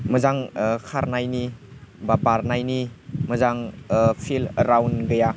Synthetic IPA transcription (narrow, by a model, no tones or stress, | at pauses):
məzaŋkʰaɾnajnibabaɾnajniməzaŋpʰilɾawnɡəja